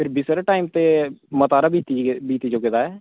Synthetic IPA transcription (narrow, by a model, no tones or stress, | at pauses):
pʰɪɾbɪsɾeʈaːimt̪eːmət̪aːɾaːbiːt̪ibiːt̪iːd͡ʒoːkɪt̪aːɛː